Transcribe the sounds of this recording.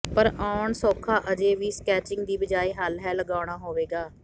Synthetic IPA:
pəɾaːʊɳsoːkʰaːʔəd͡ʒeːʋiːskɛːt͡ʃɪŋɡd̪iːbəd͡ʒaːiːɦəlɦɛːləɡaːʊɽ̃aːɦoːʋeːɡaː

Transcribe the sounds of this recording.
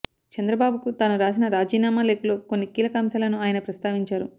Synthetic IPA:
t͡ʃɐnd̪ɾɐbaːbukut̪aːnuɾaːs̬inɐɾaːd͡ʒiːnaːmaːle̞ːkulo̞ːko̞nːikiːlɐkɐːmsaːlɐnuaːjɐnɐpɾɐst̪aːʋiɲt͡ʃaːɾu

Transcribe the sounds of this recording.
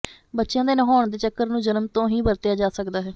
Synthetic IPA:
bətːʃjãːd̪eːnəɦaːɳd̪eːt͡ʃəkːəɾnũːd͡ʒənmt̪õːɦĩːbəɾt̪ejaːd͡ʒaːsəkd̪aːɦɛː

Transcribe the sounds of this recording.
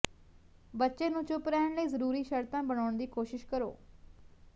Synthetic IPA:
bətːʃeːnũːt͡ʃʊpɾɛːɳləiːzəɾuːɾiːʃəɾt̪ãːbəɳaːɳd̪iːkoːʃɪʃkəɾo̰ː

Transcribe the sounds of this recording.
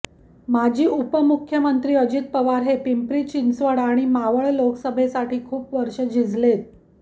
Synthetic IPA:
mad͡ʑʱiːʔupəmukʰːjəmənt̪ɾiːəd͡ʑit̪̚pəʋaɾɦepimpɾiːt͡ɕinsʋəɽaɽ̃imaʋəɭloksəbʱesaʈʰiːkʰuːpʋəɾʂəd͡ʑʱid͡zlet̪̚

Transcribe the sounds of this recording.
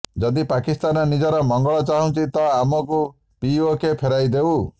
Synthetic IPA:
d͡ʒɔd̪ipakist̪anɔnid͡ʒɔɾɔmɔŋɡɔɭɔt͡ʃaɦũt͡ʃʰit̪ɔamɔku | piokepʰeɾajd̪eu

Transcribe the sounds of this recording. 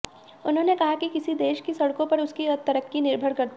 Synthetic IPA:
ʊnɦõnekɐɦakikɪsid̪eːʃkisɐɽkõpɐɾʊskiɐt̪ɐɾəkːinɪɾbʱəɽkɐɾt̪

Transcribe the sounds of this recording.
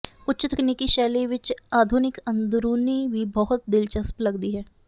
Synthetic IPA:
ʊtːʃɪt̪əknikiʃɛːleʋɪt͡ʃaːd̪ʱʊnɪkə̃nd̪ɾuːniʋiːbɔɦʊt̪̚d̪ɪlt͡ʃəsplɐɡd̪iɦɛː

